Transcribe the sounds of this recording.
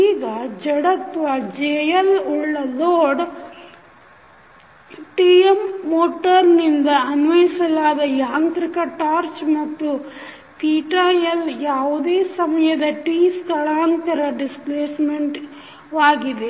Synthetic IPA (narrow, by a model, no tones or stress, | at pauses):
iːɡɐd͡ʒɐɽɐt̪ʋɐd͡ʒeːjɐluɭːɐloːɖ | ʈiːemːoːʈɐɾnind̪ɐɐnʋɐjsɐlaːd̪ɐjaːnt̪ɾikɐʈaːɾt͡ʃmɐt̪ːu | t̪iːʈaːjɐljaːʋud̪eːsɐmɐjɐd̪ɐʈiːsk̪ɐɭaːnt̪ɐɾɐɖispleːsmeɳʈ | ʋaːɡid̪e̞